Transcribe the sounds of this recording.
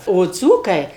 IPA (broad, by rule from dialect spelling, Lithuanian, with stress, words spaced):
oː ˈd͡zuːkɐɪ